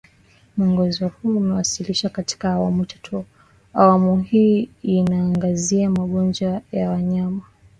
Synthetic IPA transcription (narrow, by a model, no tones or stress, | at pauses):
muɔŋɡɔzɔhuumɛwasiliʃakati̥kaːwamutʰḁtʰɔ | a̰wamuɦiːinaːŋɡaziamaɠɔnd͡ʒwajawaɲama